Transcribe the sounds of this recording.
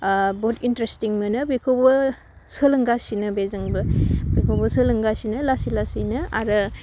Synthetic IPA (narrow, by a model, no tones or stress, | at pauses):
botintɾestiŋmɯnɯbikʰowbɯ | sɯlɯŋɡasinɯbezɯŋbɯbikʰowbɐsɯlɯŋɡasinɯlasilasinɯaɾɯ